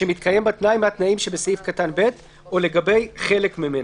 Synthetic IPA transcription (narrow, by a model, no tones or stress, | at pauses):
emit̪kʰaje̞mbat̪naimat̪naimʃebesifkatanbe̞t̪ | ole̞ɡabe̞jχe̞lekmemen